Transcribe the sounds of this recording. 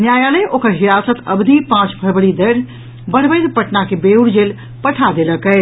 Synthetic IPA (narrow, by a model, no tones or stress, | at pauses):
njajaleʔokəɾɦiɾasət̪ə̰bd̪ʱipãt͡ʃbʱəɾbɽid̪əɾ | bəɽ̤bəjt̪pəʈnakebeuɽd͡ʒel | pəʈʰad̪eləkɛɪ